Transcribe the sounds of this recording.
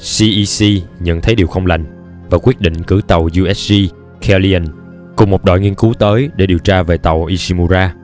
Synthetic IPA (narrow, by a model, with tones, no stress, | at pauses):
si˧ʔi˧si˧ɲə̰˧˨nt̪ʰə˨˦jɗi˨˩əwxə˧wŋ͡mla̰˨˩jŋ̟ | vaː˨˩kwi˦˥t̚ɗḭ˧˨ŋ̟kɨ˧˩t̪ə˨˩wzu˧ʔɛ˦˥s̚zi˧ | kʰɛ˧li˧ə˨˧˩n | kʊ˨˩ŋ͡mmo˨˩t̚ɗɔ̰˧˨jŋi˧ənku˨˦wt̪əː˨˦jɗe˧˩ɗi˨˩əwt͡ɕaː˧ve˨˩t̪ə˨˩wʔi˧si˧mu˧zaː˧